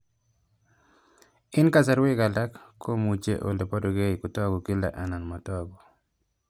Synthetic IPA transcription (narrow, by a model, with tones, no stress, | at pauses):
ɪ˦nka˦sa˨ɾwɪ˦ka˨la˦kːkʰːo˦mu˨t͡ʃḛ˦ʔo̰˨le˨pɔ˦do˨ɡe˦i˨ku˨tɔ˦ɡɔ˨ki˦la̰˨ʔa˨na˨nma˨tɔ˦ɡɔ˨